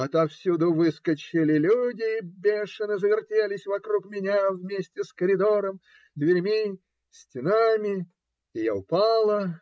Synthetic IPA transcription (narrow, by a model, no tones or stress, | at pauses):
ɐt̪afsʲud̪ʊvɨskət͡ɕɪlʲɪlʲudʲɪːbʲeʂɨnɨzəvʲɪrtʲelʲɪsʲvɐkɾukmʲɪnʲavmʲesʲtʲɪskəɾʲɪd̪oɾəm | d̪vʲɪɾʲmʲi | sʲtʲɪnamʲɪ | ɪja̰ʊpalˠə